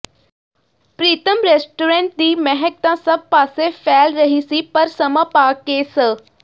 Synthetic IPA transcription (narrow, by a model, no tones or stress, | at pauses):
pɾiːt̪əmɾeːsʈuːɾẽːɳʈ̚d̪iːmɛɦɛk̚t̪ãsɐb̚paːsefʰɛːlɾɐɦisipɐɾsɐmãpaːkeːsə